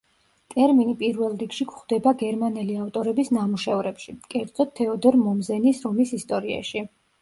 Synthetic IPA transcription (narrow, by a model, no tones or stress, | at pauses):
t̪ʼɛɾminipʼiɾvɛlˠɾikʰʃikʰχd̪ɛbaɡɛɾmanɛliaft̪ʼɔɾɛbisnamuʃɛvɾɛpʃikʼɛɾd̪z̥ɔt̪ʰːɛɔd̪ɛɾmɔmzɛnisɾɔmisist̪ʼɔɾia̰ʃi